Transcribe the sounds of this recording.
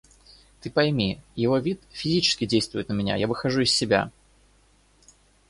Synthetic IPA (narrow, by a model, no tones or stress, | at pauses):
t̪ɨpɐjmʲijɪvo̞vʲit̪fʲɪzʲit͡ɕɪ̥skʲɪdʲejst̪vʊjɪt̪nəmʲɪnʲa̰javɨxɐʐuɪsʲːɪbʲa̰